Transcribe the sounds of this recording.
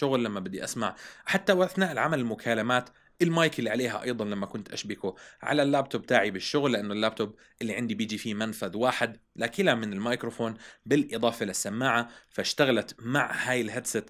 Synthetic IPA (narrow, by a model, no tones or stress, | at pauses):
ʊɣlːamːabɪd̪ːiʔasmaʕħat̪ːawʔaθnaːʔɪlʕa̰malɪlmʊkʰaːlamaːt̪ | ɪlmɑːjkɪlːiʕaleːɦa̰ʔɑ̰jðˤɑnlamːakʊnt̪ʔa̰ʃbɪkuʕa̰lalːaːb̚t̪obt̪aːʕibɪʃːʊɣlːɪʔanːʊlːaːb̚t̪ʰʊb | ʔɪlːiʕɪnd̪ibɪːd͡ʒifimanfaðwaːħɪd̪ | laːkɪlamɪnɪlmajkɾofoːnbɪlʔɨðˤɑːfɪlasːamːaːʕafaʃt̪aɣalat̪maʕhaːjɪlɦad̪sat̪